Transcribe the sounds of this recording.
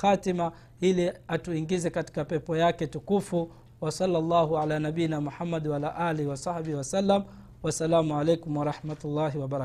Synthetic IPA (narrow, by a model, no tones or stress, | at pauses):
xatima | iliatuiŋɡizɛkati̥kapɛpɔjakɛtukufu | wasɑlːalːaːɦuʕalaːnaɓijnamuħamːadwaalaʔaːlihiwasɑhɓihiwasalːam | wasalaːmuʕalɛjkumwaɾˤɑħmatulːaɦiwabaɾ